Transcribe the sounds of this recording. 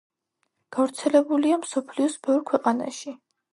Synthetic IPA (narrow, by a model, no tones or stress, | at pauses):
ɡ̥avɾt̪sʰɛlɛbuliamsɔpʰliɔsbɛvɾkʰwɛqʼana̰ʃi